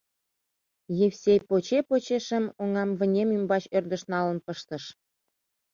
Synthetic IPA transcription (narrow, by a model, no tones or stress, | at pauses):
jefsʲepot͡ɕepot͡ɕeʃə̆moŋɑmvə̆nʲemymbɑt͡ɕørd̪ə̆ʃnɑlə̆npɤ̆ʃt̪ə̆ʃ